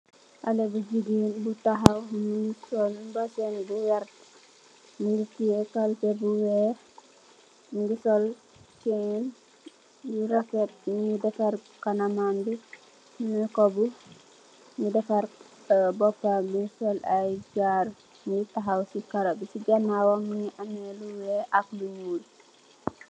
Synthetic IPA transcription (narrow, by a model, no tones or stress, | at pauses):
ʔalɛbud͡ʒiɡinbutaɦawmisɔlbasɛnbuwaɾt | muŋɡukiɛkalpɛbuwɛ | mŋɡusɔl | kɛn | uɾɔkɛt̚ŋidɛfaɾ | kanamandu | mɛkɔbu | mudɛfaɾ | bɔpːamusɔlajd͡ʒaɾ | mutaɦawsikaɾobisid͡ʒanːawɔŋmɲiʔanɛluwɛʔak̚luɲuːl